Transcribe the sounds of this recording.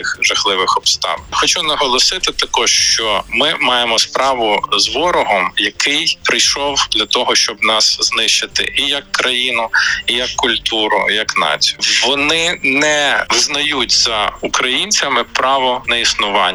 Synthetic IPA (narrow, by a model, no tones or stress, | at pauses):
ɪxʒɐxlˠɪʋɪxɔbst̪ɑ̰ʋxɔt͡ʃunɐɦɔlˠɔsɪt̪ɪt̪ɐkɔʂʃt͡ʃɔmɪmɑjemɔspɾɑʋʊzʋɔɾɔɦɔmjɐkɪjpɾɪjʃɔwd̪lʲɐt̪ɔɦɔʃt͡ʃɔbnɑsz̥nɪʃt͡ʃɪt̪ɪ̰ʔijɐkːɾɐjinʊijɐkːʊlʲt̪uɾʊ̰jɐknɑ̰t͡sʲijʊʋɔnɪnɛʋɪznɐjutʲz̥ɐukɾɐjinʲt͡sʲɐmɪpɾɑʋɔnɐisnʊʋɑnː